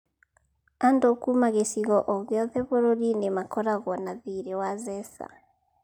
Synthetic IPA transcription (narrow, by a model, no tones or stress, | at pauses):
andɔkumaɣesiɣɔʔɔɣɛɔðɛβɔɾoɾinemakɔɾaɣwɔnaðiɾɛwazɛsa̰